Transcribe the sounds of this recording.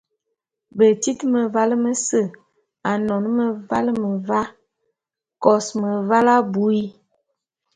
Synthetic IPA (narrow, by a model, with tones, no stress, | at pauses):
bə˨ti˦tmə˨va˦lə˦mə˦sə˦˨ | a˨nɔ˨n˦mə˨va˦lə˦mə˨va˦ | kɔ˨smə˨va˦la˦bu˨˦i˦